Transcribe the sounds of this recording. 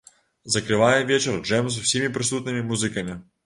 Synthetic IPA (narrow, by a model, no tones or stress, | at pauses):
zɐkɾɨvajɛvʲet͡ɕɛɾʐɛms̬ɐfsʲimʲɪpɾʲɪsut̪nɨmʲɪmuzɨkɐmʲɪ